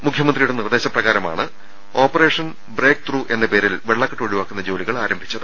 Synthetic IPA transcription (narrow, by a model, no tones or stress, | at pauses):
mukʰjɐmɐnd̪rijuɽe̞nird̪e̞ːɕɐprɐɣaːɾɐma̰ːɳɨ | o̞ːpːɐre̞ːʂɐn | bre̞ːk̚t̪ruːʔe̞nːɐpe̞ːɾilʋeɭːɐkːɐʈːɨoɻiʋaːkːunːɐd͡ʑo̞ːliɣɐɭaːɾɐmbʱit͡ɕːɐðɨ